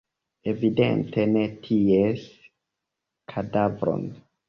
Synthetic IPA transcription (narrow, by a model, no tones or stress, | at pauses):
e̞vidḛntʰe̞ne̞tʰies | kʰadavɾo̰n